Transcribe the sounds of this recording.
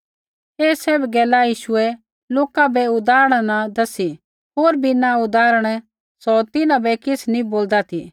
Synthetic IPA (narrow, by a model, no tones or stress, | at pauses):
eːsɛːbɡɛːlajiːʃʊɛ | loːkabʱɛʊd̪aːɾəɽ̃nad̪ɐsi | ɦoːɾbinaʊd̪aːɾəɽ̃ | sɔt̪ɪnãbɛkɪsnĩboːld̪at̪ʰiː